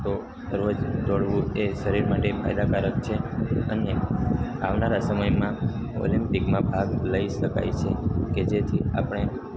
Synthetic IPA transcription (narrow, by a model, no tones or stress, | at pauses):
t̪o | ɾod͡ʒd̪oɽʋũeʃəɾiɾmaʈefʰa̰jd̪akaɾəkt͡ʃʰeəneaʋnaɾasəməjmã | o̰limpikmãbʱaɡləiʃəka̰jt͡ʃʰeked͡ʒet̪ʰia̰pəɳ̃e